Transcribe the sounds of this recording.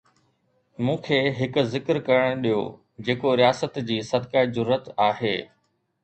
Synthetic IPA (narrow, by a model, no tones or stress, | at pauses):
mũːkʰeːɦɪkʊ̆zɪkɾkɐɾəɽ̃ɗijo̰ː | d͡ʑeːkoɾijaːsət̪d͡ʑiːsɐd̪kaːid͡ʑʊɾːət̪aːɦeː